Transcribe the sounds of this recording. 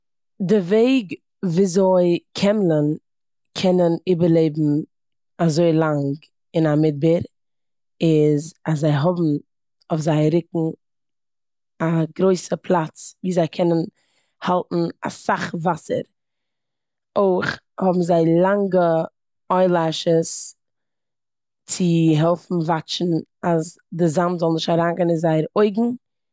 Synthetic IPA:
dɪveɪɡ | viːzoɪkʰɛmlˠən | kʰɛnəniːbəɾleɪbm̩ | azoɪlˠaŋɡ | ɪnamɪd̚bəɾ | ɪzazːaɪɦɔbm̩ | oʊfzaɪɾɪkŋ̩ | aɡɾoɪsəpʰlˠat͡sviːzaɪkʰɛnən | halˠtn̩a̰saχvasə̰ɾ | oɪχ | hɔbm̩zaɪlˠaŋɡə | ɔɪlˠaʃəs | t͡sɪɦɛlˠfn̩vat͡ʃn̩az | dɪzamzɔlˠnɪʃtaɾaŋkənɪzaɪɾoɪɡŋ̩

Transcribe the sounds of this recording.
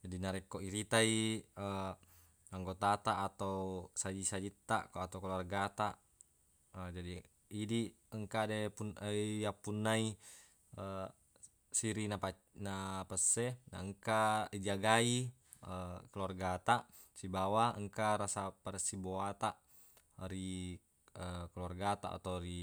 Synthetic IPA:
d͡ʒadinaɾɛkːoʔiɾit̪aiə | aŋɡot̪at̪aːt̪ausad͡ʒisad͡ʒit̪ːakat̪awkəlwarɡat̪a | əd͡ʒadi | idi | əŋkadepunəjapunːai | ə | siɾinapa | napəsːɛna̰əŋkaid͡ʒaɡai | əkəlarɡat̪aʔ | sibawaəŋkaɾasapərsiboat̪aʔ | ɾi | əkəluarɡat̪a̰ʔa̰t̪aɾi

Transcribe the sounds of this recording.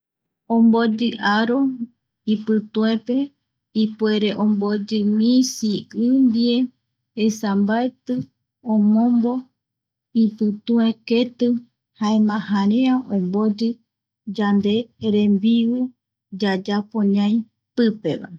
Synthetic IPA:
õmbod͡ʒɨʔaɾo | ipɨt̪ũẽpe̞ | ipueɾeʔõmbod͡ʒɨmĩsiʔɨnd̪ie | esambaet̪ɨ | õmõmbo | ipɨt̪ũẽket̪ɨ | haemãhãɾeaʔombod͡ʒɨ | d͡ʒand̪e̞ɾembiu | d͡ʒad͡ʒapõɲãj̃ | pɨpe̞ʋa̰

